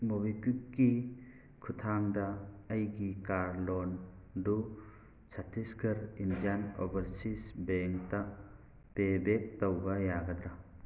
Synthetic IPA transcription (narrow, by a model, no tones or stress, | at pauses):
mɔbikikkːi | kʰutʰaŋdɐːjɡikaɾlɔn | du | satʰiskʰɐɾind͡ʒanɔ̰bɐɾsisbeŋta | pebek̚tɔwbajaɡɐd̪ɾa